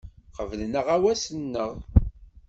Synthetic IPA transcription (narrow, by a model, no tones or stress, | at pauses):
qəvəlnəʁæwæsənːəʁ